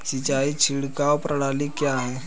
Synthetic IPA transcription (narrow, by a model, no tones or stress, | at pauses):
sit͡ʃaːit͡ʃʰɪɽkaopɾəɽaːlikjaɦɛː